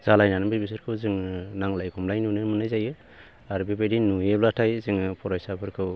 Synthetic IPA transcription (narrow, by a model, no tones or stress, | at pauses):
z̥alajnanbibis̬ɯɾkʰɯwzɯŋnaŋlajkʰɔmlajnunɯmɯnajzajɯ | aɾbibedinujeblatʰajzɯŋpʰɔɾajsabɯɾkʰɯw